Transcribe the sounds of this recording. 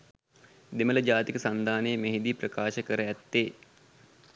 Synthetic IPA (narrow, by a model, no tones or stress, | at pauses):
d̪emələd͡ʒaːt̪ikəsand̪ʱaːnəjəmeɦid̪iprəkaːʃəkəɾəæt̪ːeː